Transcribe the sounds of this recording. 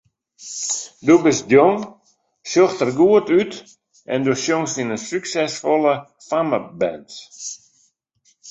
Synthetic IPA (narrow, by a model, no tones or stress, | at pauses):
dubɪsdjoŋ | sjoxtərɡuətyt | ʔɛ̰ndusjoŋsinəsyksɛsfɔlə | faməbɛnt